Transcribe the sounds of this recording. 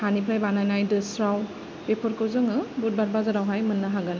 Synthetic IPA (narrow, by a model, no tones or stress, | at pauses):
hanipʰɾajbanajnajdɯsɾaw | bepʰɔɾkowzɯŋɯbut̚baɾ̚bazaɾawɦajmɯnːɯɦaɡan